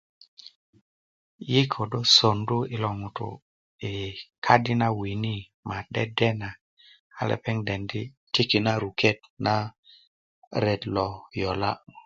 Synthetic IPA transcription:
ji˦kʰo˨do˦so˨ndu˦i˨lo˨ŋu˨t̪ṵ˨ | e˨kʰa˦di˦na˦wi˨ni˦ | ma˨ɗɛ˦dɛ˦na˨ | a̰˨lḛ˨pe˦ŋde˨ndi˦ | ti˦ki˨na˦ɾu˨ke˦tna˦ | ɾe˨dlɔ˨jo˨la̰˦

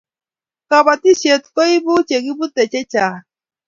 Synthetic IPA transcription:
ka˨ba˨ti˦se˨t̪ko˦i˦bu˦t͡ʃe˨ɡi˦bu˦t̪e˨t͡ʃe˦t͡ʃa˨

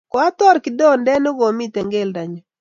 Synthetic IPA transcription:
kɔ˨a˦t̪ɔ˦ɾkɪ˨dɔ˦ndɛ˦nɔ˦ɡo˨mi˦t̪ɛ˨ŋɡe˦lda˨ɲɔ˨

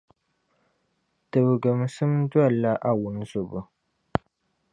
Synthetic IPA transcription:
tɨ˨bɨ˨ɡɨ˨m˨sɨ˦m˦dwa˦˨la˦ʔa˦wʊ˨n˦zʊ˨bʊ˨

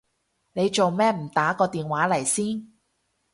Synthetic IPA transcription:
ne˨˧jt͡ʃo˨wmɛː˥m̩˨˩t̪aː˨˥kɔː˧t̪iː˨nwaː˨˥lɐ˨˩jsiː˥n

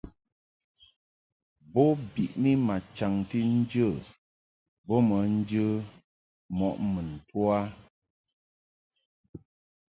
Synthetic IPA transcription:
bɔ˦bi˨ʔni˦ma˨t͡ʃa˨ŋti˦n̩˦d͡ʒə˦˨ | bɔ˦mə˨˦n̩˦d͡ʒə˦ | mɔ˨ʔmə˨n̩˨twa˦

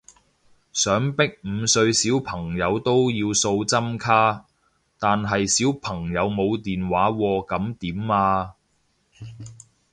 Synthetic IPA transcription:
sœː˨˥ŋpɪ˥k̚m̩˨˧sɵ˧ɥsiː˨˥wpʰɐ˨˩ŋjɐ˨˧wt̪o˥wjiː˧wso˧wt͡sɐ˥mkʰaː˥ | t̪aː˨nɦɐ˨jsiː˨˥wpʰɐ˨˩ŋjɐ˨˧wmo˨˧wt̪iː˨nwaː˨˥wɔː˧kɐ˨˥mt̪iː˨˥mːaː˧

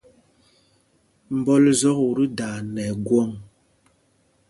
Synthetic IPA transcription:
m̩˨bɔ˦lzɔ˦ku˨ɾi˦da˨nɛ˨ɡwɔ˦˨ŋ

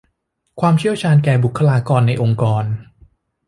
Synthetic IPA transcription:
kʰwaː˧mt͡ɕʰi˥˩əwt͡ɕʰaː˧nkɛː˨˧˩bu˨˩kʰːa˧laː˧kɔː˧nːa˧jʔo˧ŋkɔː˧n

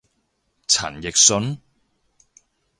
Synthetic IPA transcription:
t͡sʰɐ̰˨˩njɪ˨k̚sɵ˨˥n

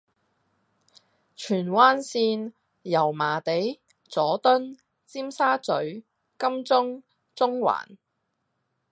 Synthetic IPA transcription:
t͡ʃʰyː˨˩nwaː˥nsiː˧˥n | jɐ˨˩wmaː˨˩t̪e˨˥j | t͡sɔː˨˥t̪ɵ˥n | t͡siː˥msaː˥t͡sɵ˨˥ɥ | kɐ˥mt͡sʊ˥ŋ | t͡sʊ˥ŋwa̰ː˨˩n

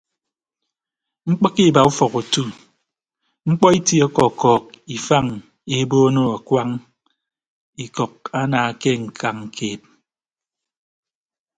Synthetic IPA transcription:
ŋ͡m̩˦k͡pɔ˦ki˦˨ba˨u˦fɔ˨ku˨tu˦ | ŋ͡m̩˦k͡pɔ˦i˦ti˦ɔ˦kɔ˨kɔː˨k̚i˨fa˦˨ŋ | e˨˦bo˦no˦˨a˨kwa˦ŋ | i˨kɔ˨k̚a˦naː˨ke˦ŋ̩˨kʰa˨ŋŋ̩˨kʰeː˨p̚

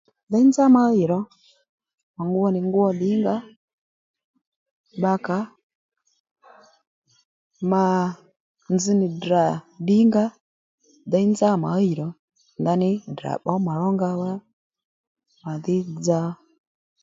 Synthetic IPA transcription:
da˦nza˦ma˨˦i˨ɾɔ˨˦ | ma˨ŋɡu˦wɔ˦ni˨ŋɡu˦ɔ˦ɗi˦ŋɡa˦ | ɓa˧˦ka˨˦ | ma˨ | nzi˦ni˨dɾa˨ɗi˦ŋɡa˦ | ða˦i˦nd͡za˦˨ma˨˦i˨ɾɔ˨ | nda˦ni˦da̰˨ɓɔ˦ma˨ɺɔ˦ŋɡa˧wa˦ | ma˨ði˦d͡za˦

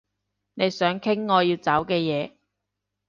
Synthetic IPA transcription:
ne˨˧jsœː˨˥ŋkʰɪ˥ŋːɔː˨˧jiː˧wt͡saː˨˥wkɛː˧jɛː˨˧

